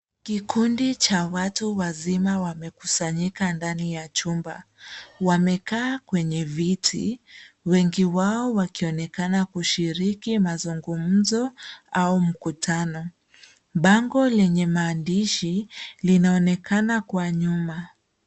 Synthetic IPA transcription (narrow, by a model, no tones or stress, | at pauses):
kikundit͡ʃawatuwazimawamɛku̥saɲikandanijat͡ʃumba̰wamɛkaːkwɛɲɛvitʰḭwɛŋɡiwaɔwakiɔnɛkanakuʃiɾikimazuŋɡum̩zɔaum̩kutʰanɔ | ɓaŋɡɔlɛɲɛmaːndiʃilinaɔnɛkʰanakwaɲuma